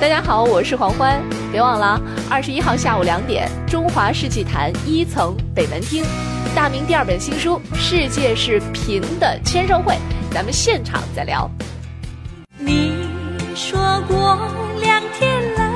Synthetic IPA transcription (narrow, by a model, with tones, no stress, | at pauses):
t̪a˥t͡ɕja˥xɑ˨˩˦ʊwɔ˨˩ʂɻ̩˥˩xwɑ˧˥ŋxwa˥n | pjɛ˧˥wɑ˥˩ŋla˧˥ | ɐ̰˥˩ʂɻ̩˧˥i˥xɑ˥˧ʊɕja˥˩u˨˩ljɑ˧˥ŋt̪jɛ̰˨˩˦nʈ͡ʂʊ˥ŋxwa˧˥ʂɻ̩˥˧t͡ɕʰi˥˩t̪ʰa̰˧˥ni˥t͡sʰɤ˧˥ŋpe˨˩ɪna˧˥nt̪ʰi˥ŋ | t̪a˥˩mi˧˥ŋt̪i˥˧ɐ˞˥˩pə˨˩nɕi˥ŋʂu˥ʂɻ̩˥˧t͡ɕjɛ˥˧ʂɻ̩˥˩pʰi˧˥ŋd̪ə˨t͡ɕʰjɛ˥nʂo˥˧ʊxwe˥˩ɪt͡sa˧˥mə˧ɕjɛ˥˩nʈ͡ʂʰɑ̰˨˩˦ŋt͡sa˥˩ɪljɑ̰˧˥ʊ | ni˨˩ | ʂwɔ˥kwɔ˥˩ljɑ˨˧˥ŋt̪ʰjɛ˥nlə˧